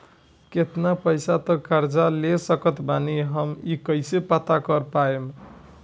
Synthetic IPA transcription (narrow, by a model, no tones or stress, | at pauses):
ket̪napəjsat̪ɔkaɾd͡ʒalesəkət̪baniɦəmikəjsepat̪akəɾpaem